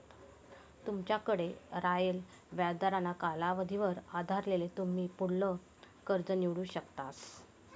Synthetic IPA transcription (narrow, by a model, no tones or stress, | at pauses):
t̪umt͡ɕjakəɽeɾajel | ʋjad̪aɾanakalaʋəd̪ʱiʋəɾad̪ʱaɾlelet̪um̤iːpuɽlə | kəɾd͡zəniʋɽuːɕəkt̪as